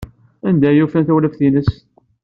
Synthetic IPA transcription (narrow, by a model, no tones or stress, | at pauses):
ænd̪æjufænθæwləfθinəs